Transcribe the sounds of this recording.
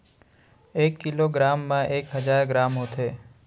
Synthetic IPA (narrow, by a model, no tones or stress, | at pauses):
ekːɪloɡɾamːãʔeːkɦəd͡ʒaɾɡɾaːmõt̪ʰe